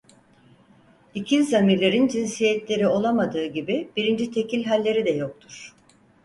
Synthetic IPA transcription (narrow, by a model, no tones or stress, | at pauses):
icʰinzamiɾlʲe̞ɾind͡ʒinsijɛt̪lʲe̞ɾio̞lˠamad̪ɯːɟibib̥iɾind͡ʒit̪ʰe̞cʰilʲɦalʲːe̞ɾid̪ɛjo̞k̚t̪ʰuɾ̥